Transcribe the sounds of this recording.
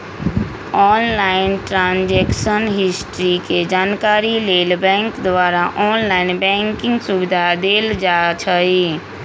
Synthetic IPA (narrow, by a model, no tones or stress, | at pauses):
ɔːnlaɪnʈɾãːnd͡ʒɛːkʃənɦɪsʈɾiked͡ʒaːnkaːɾileːlbɛ̃ːŋkd̪ʋaːɾaʔɔːnlaːɪnbɛ̃ŋkɪ̃ŋɡsubɪd̪ʱad̪eːld͡ʒat͡ʃʰəi